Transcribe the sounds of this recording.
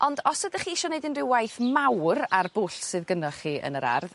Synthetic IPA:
ʔɔndɔsədəχiːɪʃɔnedɪnrɪwajθmawrarb̥ʊɬsɨðɡənɔχiːʔə̰nəɾa̰rð

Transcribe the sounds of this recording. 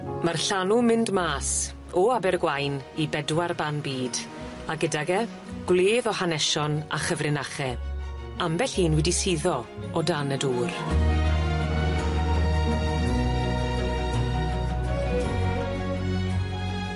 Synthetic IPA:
marɬanumɪndmaːs | ɔabɛrɡwajnibɛdwarbanbiːd | aɡədaɡɛ | ɡ̥leːðɔhanɛʃɔna̰χəvrɪnaχɛ | ambɛɬhiːnwɛdisiðɔ | ɔdanɛduːr

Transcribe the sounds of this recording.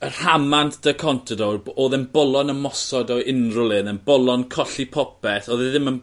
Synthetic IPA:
ər̥hamantʰd̥əkʰɔntʰədooːðənbɔlˠɔnəmɔsɔdɔɪnrʊlˠɨnənbɔlˠɔnkʰɔɬipʰɔpɛθɔðɛðɪmən

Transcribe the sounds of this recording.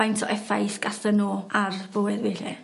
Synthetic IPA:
ajntʰɔʔɛfajsɡ̥asənoːarvʊːɨðweɬɛ

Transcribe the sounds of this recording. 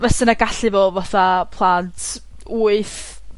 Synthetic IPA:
vɛsənaɡaɬɨvovaθapʰlˠaːntʰ | uɨθ

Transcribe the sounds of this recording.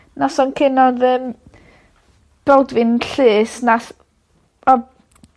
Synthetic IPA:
nasɔnkʰɪnɔðəːm | b̥ɛlˠdvɨnɬɨːsnas | ɔ

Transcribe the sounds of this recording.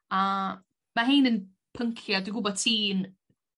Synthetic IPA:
a | maɦeːnən | pʰəŋkʰjɔdwiɡʊbɔd̚tʰiːn

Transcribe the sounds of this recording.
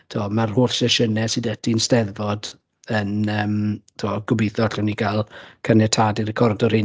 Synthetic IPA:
tʰuɔmarhoːɬsɛʃənɛsɨdətʰinstɛðvɔd | ənəːmtʰuɔɡʊbiθɔɬɛwnikʰalˠkʰanɛtʰadiɾəkʰɔrdɔrhɪ

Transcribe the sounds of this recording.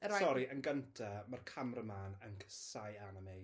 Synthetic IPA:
saɔɾiʔənɡəntʰamarkʰamrəmaːnənkʰə̥sajanamej

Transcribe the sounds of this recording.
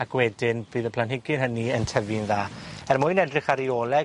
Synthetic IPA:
akwɛdɪnbɨːðəpʰlanɦɪɡɨnɦəniəntʰəvɨnðaːɛrmʊɨnɛdrɪχaɾioːlˠɛ

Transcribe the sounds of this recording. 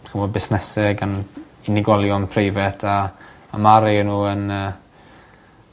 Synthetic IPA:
aχɪnvoːd̚bɪsnɛsɪɡan | ɪnɪɡɔlˠjɔnpʰrejvɛtʰaː | maɾɪnuːənəː

